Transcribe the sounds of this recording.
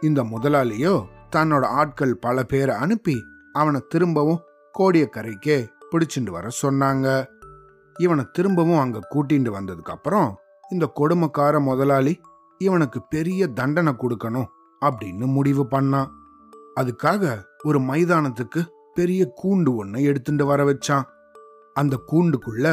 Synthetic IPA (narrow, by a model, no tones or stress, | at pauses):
ɪnd̪ɐmʊðɐlaːlɪjoːt̪ɐnːoːɽɐaːʈ̚kɐɭpɐlɐpeːɾɐɐɳɯpːi | ɐʋɐnɐt̪ɪɾɯmbɐʋʊ̃ | koːɽɪjɐkːɐɾɐɪkːeːpɪɽɪt͡ʃːɪɳɖɯʋɐ̰ɾɐsɔnːaːŋɡɐ | ɪʋɐnɐt̪ɪɾɯmbɐʋɯ̃ɐŋɡɐːkuːʈ̬ːɪɳɖɯʋɐnd̪ɐðɯkːɐpːɯɾɔ̃ | ɪnd̪ɐkɔɽɯmɐkːaːɾɐmɔðɐlaːli | ɪʋɐnɯkːɯpɛɾɪjɐd̪ɐɳɖɐnɐkɔɽɯkːɐnʊ̃ | ɐp̬ːɐɽɪnːɯmʊɽɪʋɯpɐɳːãː | ɐðɯkːaːɣɐɔɾɯmɐɪðaːnɐt̪̬ːɯkːɯ | pɛɾɪjɐkuːɳɖɯɔnːɐɛɽɯt̪ːɯɳɖɯʋɐɾɐʋɛt͡ʃːãː | ɐnd̪ɐkuːɳɖɯkːɯɭːɐ